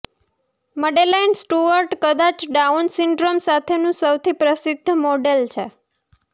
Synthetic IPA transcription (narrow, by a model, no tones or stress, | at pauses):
məɖelainsʈuʋəɾʈkəd̪at͡ʃɖaunsɪɳɖɾomsat̪ʰenũsəwt̪ʰipɾəsɪd̪ʱːəmoɖelt͡ʃʰe